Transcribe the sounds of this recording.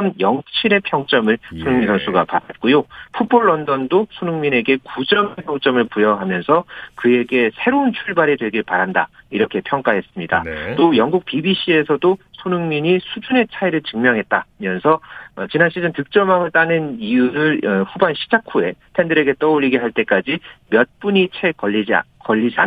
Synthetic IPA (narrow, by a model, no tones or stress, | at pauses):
ʌmjʌŋt͡ɕʰiɾe̞pʰjʌŋt͡ɕ͈ʌmɯɭsʰonɯŋminsʌnsʰuɡapaɾat̚k͈ojopʰuboɭːʌndʌndosʰonɯŋmine̞ɡe̞kud͡ʑʌmepʰjʌŋt͡ɕ͈ʌmɯɭpujʌɦamjʌnsʰʌkɯe̞ɡe̞sʰe̞ɾount͡ɕʰuɭbaɾedwe̞ɡiɭpaɾanda̰iɾʌkʰe̞pʰjʌŋk͈aɦe̞s͈ɯmɲida̰tt͈ojʌŋɡuk̚pibiɕ͈ʰie̞sʰʌdosʰonɯŋmiɲisʰud͡ʑune̞t͡ɕʰaiɾɯɭt͡ɕɯŋmjʌŋɦe̞t̚t͈amjʌnsʰʌʌt͡ɕinanɕʰid͡ʑɯntɯk̚t͡ɕ͈ʌmaŋɯɭt͈anɯnijuɾɯɭɸubanɕʰi̥d͡ʑakʰue̞tʰe̞ndɯɾe̞ɡe̞t͈ʌuʎːiɡiɦaɭt͈e̞k͈ad͡ʑimjʌt̚p͈uɲit͡ɕʰekʌːid͡ʑ̰kʌʎːid͡ʑia̰